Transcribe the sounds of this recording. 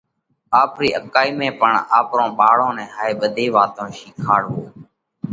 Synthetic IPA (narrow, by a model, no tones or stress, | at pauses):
aːpɾiːʔəkaːiːmẽːpəɳaːpɾõːɓaːɽõːnɛ̃ːɦaːeːɓəd̪ʱeːʋaːt̪õːʃiːkʰaːɽɦoː